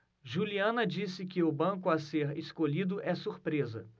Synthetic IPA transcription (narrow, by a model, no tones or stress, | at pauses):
ʒuliɐ̃nɐd͡ʒisɪkɪʊbɐ̃kʊaseɾeskoʎid̪ʊʔɛsuɾpɾezɐ̰